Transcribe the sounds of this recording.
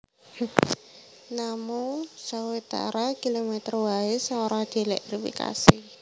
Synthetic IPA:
namusawit̪a̰ɾakilomɛt̪rwaɪsaŋoɾahd̪̥e̤lɛt̪rifḭka̰si

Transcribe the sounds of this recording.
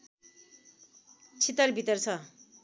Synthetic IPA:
t͡sʰit̪ʌrbʱit̪ʌrt͡sʰʌ

